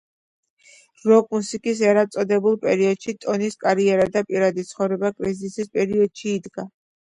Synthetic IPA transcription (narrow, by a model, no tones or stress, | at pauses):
ɾɔkʼmusikʼis̬ɛɾat̪sʼɔd̪ɛbulˠpʼɛɾiɔd̪̥ʃit̪ʼɔniskʼaɾiɛɾad̪apʼiɾad̪it̪sʰχɔvɾɛbakʼɾizisispʼɛɾiɔd̪̥ʃiːd̪ɡa